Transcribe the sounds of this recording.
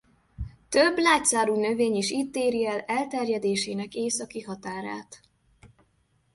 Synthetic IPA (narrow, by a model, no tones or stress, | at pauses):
t̪øbːlaːt̪saːɾuːnø̞veːɲiʃiːt̪ːeːɾiɛlɛlt̪ɛrjɛd̪eːʃeːnɛkeːsɒkiɦɒt̪aːɾa̰ːt̪